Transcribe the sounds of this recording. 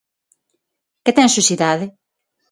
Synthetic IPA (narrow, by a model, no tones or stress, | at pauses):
kɪt̪ɛ̃ŋ̃susiðaðɪ